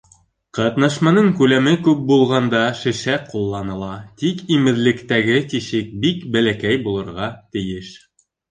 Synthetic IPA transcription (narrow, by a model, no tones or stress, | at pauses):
qɑt̪nɑʃmɑnɤŋkʉlæmɘkʉp̚bulˠʁɑnd̪ɑʃɘ̆ʃæqulˠːɑnɤ̆lˠɑt̪ikimɘ̆ðlɘ̆kt̪æɡɘt̪iʃɘk̚bikbælækæjbulˠɤ̆ɾʁɑt̪ɘ̆jɘʃ